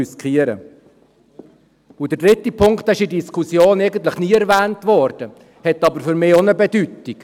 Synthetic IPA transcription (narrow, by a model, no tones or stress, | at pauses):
yskʰiːəɾə̰ | ʊd̥ədɾɪt̪ːipʰʊŋkt̪æɪʃidiskʰusjoːnɛɪɡən̩t̪ləχniːɛɾvæːntvɔɾd̥ə | hɛt̪ːɑbəɾfʏɾmɪːonəbɛd̥ytːik